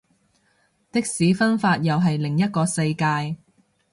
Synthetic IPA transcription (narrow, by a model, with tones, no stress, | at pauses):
t̪ɪ˥k̚siː˨˥fɐ˥nfaː˧t̚jɐ˨wɦɐ˨jlɪ˨˩ŋjɐ˥t̚kɔː˧sɐ˧jkaː˧j